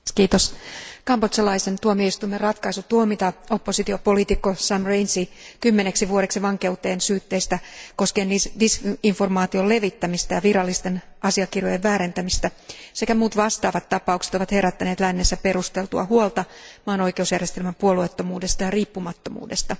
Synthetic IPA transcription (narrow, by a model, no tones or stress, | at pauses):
kiːt̪oskɑmpot̪sɑlɑisent̪uomieist̪uimːerɑt̪kɑisut̪uomit̪ɑo̞pːo̞sit̪iopo̞lit̪ikːosɑmrejnsikymːeneksiʋuoɾe̞ksiʋɑŋke̞ut̪e̞ːnsyːt̪ːe̞ist̪æko̞skeːndisdisiɱfo̞rmɑːt̪io̞lle̞ʋit̪ːæmist̪æjɑʋiɾɑlːist̪e̞nɑsiɑkirjojeʋʋæːɾent̪æmist̪æsekæmuːt̪ʋɑst̪ɑːʋɑt̪ːɑpɑukse̥t̪o̞ʋɑt̪he̞ɾæt̪ːæneːt̪lænːesːæpe̞ɾust̪e̞lt̪uɑ̰huolt̪ɑmɑːno̞ike̞usjærjest̪elmæmpuoluet̪ːo̞muːde̞st̪ɑjɑriːpːumɑt̪ːo̞mṵːde̞st̪ɑ